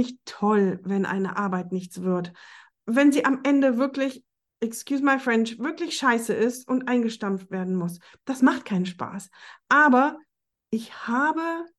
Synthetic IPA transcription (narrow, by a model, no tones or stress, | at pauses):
ɪçttʰɔlvɛnʔa̰ɪnə̰ʔaɐbaɪtnɪçt͡sv̥ɪɐt | vɛnziːʔamʔɛndəvɪɐklɪç | ʔɛkskjuːsmaɪfʁ̥ɛntv̥ɪɐklɪçʃaɪsəɪstʊntʔaɪnɡəʃtamftv̥eːɐdn̩mʊs | d̥asmaχt̚kʰaɪnənʃpa̰ːsʔaːbɐ | ʔɪçhaːbə